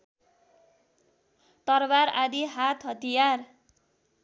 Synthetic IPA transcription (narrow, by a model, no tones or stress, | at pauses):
t̪ʌrbaɾad̪iɦat̪ʰɦʌt̪ijar